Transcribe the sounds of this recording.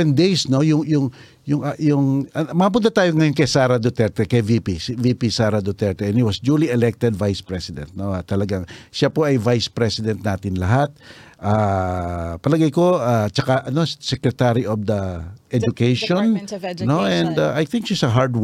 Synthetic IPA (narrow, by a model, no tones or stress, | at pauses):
ɛnd̪ejsno̞jʊŋjʊŋ | jʊŋajʊŋɐmɐp̬ʊnt̪̬at̪aːjoŋɐjonkɐjsaːɾɐd̪ot̪ɛɾt̪ɛkɐjvipisvipisaːɾɐd̪ot̪ɛɹt̪ɛɛnhiwɐsd͡ʒuːliɛlɛk̚t̪ɛd̪vajspɹɛsɪd̪ɛ̰̃nt̪̚no̞at̪ɐlɐɡaŋʃapoɐjvajspɾɛsɪd̪ɛ̃nt̪̚naːt̪ɪnlɐɦat̪̚ʔa | pɐlɐɡajko̞at͡ʃɐkaʔɐno̞sɛkɾɛt̪aɾiʔofd̪ɐʔɛd͡ʒʊkejʃonnoʔɛ̃nd̪aʔajθɪ̃ŋkʃisɐɦaɹd̪w